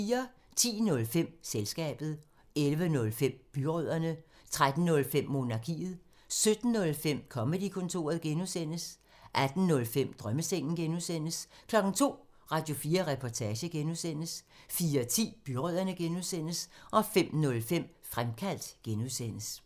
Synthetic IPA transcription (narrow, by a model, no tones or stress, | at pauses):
iːɐ | t͡sʰḭːnɔ̽lfem̰selsɡ̥ɛ̰ːb̥ð̞̩ˠ | elʋənɔ̽lfem̰b̥yʁœð̰ˠɐnə | t͡sʰʁad̥n̩nɔ̽lfem̰ːo̝nɑ̈kʰḭːð̞̩ˠ | sød̥n̩ːɔ̽lfem̰kʰɒ̽məd̥ikʰɔ̽nt͡sʰo̝̰ːɐð̞̩ˠɡ̥enusen̰əs | ʔæd̥n̩nɔ̽lfem̰d̥ʁɶməseŋ̰n̩ɡ̥enusen̰əskʰlɒ̽ɡ̥n̩t͡sʰo̝̰ː | ʁɑ̈d̥jo̝fiːɐʁɛpʰɒt͡sʰɛːɕəɡ̥enuðˠsen̰əs | fiːɐt͡sʰḭːb̥yʁœð̰ˠɐnəɡ̥enuðˠsen̰əsʔɒ̽fem̰nɔ̽lfem̰ | fʁamkʰæl̰d̥ɡ̥enuðˠsen̰əs